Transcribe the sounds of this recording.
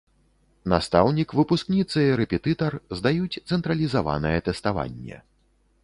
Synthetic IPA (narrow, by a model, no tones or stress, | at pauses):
nast̪awnʲikvɨpusknʲit̪sɨiɾɛpʲɛt̪ɨt̪ɐrzd̪ajut͡sʲt̪sɛnt̪ɾɐlʲizava̰nɐjɛt̪ɛst̪ava̰nʲːɛ̰